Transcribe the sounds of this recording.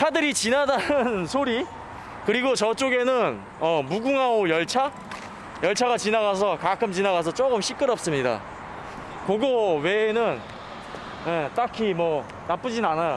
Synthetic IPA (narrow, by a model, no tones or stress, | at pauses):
tʰadɯɾit͡ɕinadanɯnsʰoɾi | kɯɾiɡot͡ɕʌt͡ɕ͈oɡe̞nɯn | ʌmuɡuŋɦaojʌɭt͡ɕʰa | jʌɭt͡ɕʰaɡat͡ɕinaɡas̬ʰʌkakʰɯmt͡ɕinaɣas̬ʰʌt͡ɕ͈oɡɯmɕ͈ʰik͈ɯɾʌp̚s͈ɯmɲida̰ | koɡowe̞nɯn | jet͈akʰimwʌ | nap͈ɯd͡ʑinnanajo